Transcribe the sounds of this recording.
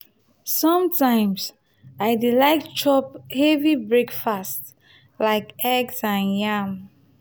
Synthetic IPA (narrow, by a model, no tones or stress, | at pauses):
sɔ̃mtãɪ̃ms | aɪdilaɪkt͡ʃɔp̚hɛvibɹekfast | laɪkɛɡsãnjam